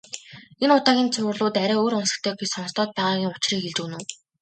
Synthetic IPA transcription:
enʊt̪aːɣʲiːnt͡sʰʊ̆rɮʊːt̪æɾʲæːoːɾʊnsə̥̆kt̪ʰœːɡet͡ɕsɔnst̪ɔːt̪̚pæːʁaːɣʲiːŋʊt͡ɕriːxeɮt͡ɕŭːnuː

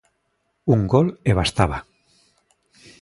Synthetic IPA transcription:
uŋɡoleβ̞ast̪aβa

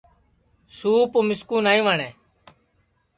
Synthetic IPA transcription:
suːpomɪskuːnaːĩːʋaːɳɛː

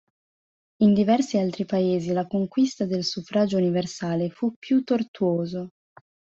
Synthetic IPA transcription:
ind̪ivɛrsialt̪ɾipaeːzilakoŋkwist̪ad̪elsufɾad͡ʒouniversaːlefupːjut̪ːort̪uoːzo

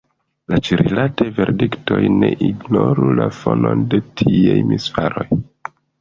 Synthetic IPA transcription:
lat͡ʃiɾilatejve̞ɾdiktojneʔiɡnoɾulafononde̞tʰiajmisfaɾo̞j

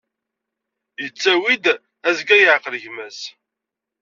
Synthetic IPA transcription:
jət͡sːæwid̪ | æzɡæjəʕqələʝmæs

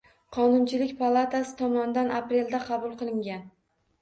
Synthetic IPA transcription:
qʰɒnʊnt͡ʃʰɪlɪkʲpʰalˠat̪asɪ̥t̪ʰɒmɒnd̪anʔapɾe̞ld̪aqʰɑbʊlˠqɨlˠɪŋɡʲan

